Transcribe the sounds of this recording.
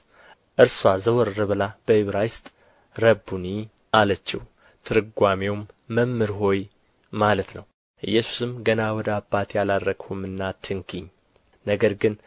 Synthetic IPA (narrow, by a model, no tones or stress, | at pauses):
ʔɨɾswazəwɔɾːɨβɨlab̥əhiβɾajst̪ʼ | ɾəbːuni | ʔalət͡ʃːɪh | t̪ʰɨɾɨɡʷamewmː | əmːɨɾɦo̞j | malət̪nəw | ʔɨ̰jːɛsu̥sɨmɡənawɔd̪əabːat̪jaladɾəɡhumɨnːat̪ʰːɨŋkʰiɲː | nəɡəɾɡɨn